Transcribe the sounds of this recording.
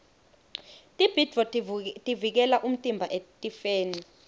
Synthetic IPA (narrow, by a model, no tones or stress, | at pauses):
tʼib̥ʱid̥vɔtʼivik̬ɛlaʔum̩tʼimbʱaʔetʼifeːni